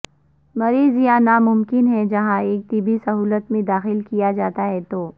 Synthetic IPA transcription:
mɐɾiːzijãnamʊmkɪnɦɛd͡ʒɐɦãeːk̚t̪ɪbʱisɐɦuːlət̪mẽd̪aːxɪlkijad͡ʒaːt̪aɦɛt̪oː

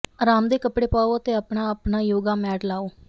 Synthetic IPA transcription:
əɾaːmd̪eːkəpɽeːpaːoːət̪eːəpɳaːəpnaːjoːɡaːmɛːʈlaːoː

